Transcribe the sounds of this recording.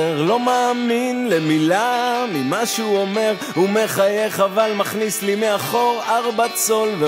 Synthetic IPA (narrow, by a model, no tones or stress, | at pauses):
eʁlo̞maːminlemilamimaʃuome̞ʁ | humeχaje̞χavalmaχnislimeaχo̞ʁaʁbat͡so̞lve